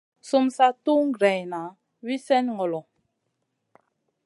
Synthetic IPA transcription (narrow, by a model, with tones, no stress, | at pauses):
su˦msa˦tu˦ŋ̩˦˨ɡɾɛ˨jna˨ | wi˦sɛ˦nŋɔ˨lɔ˨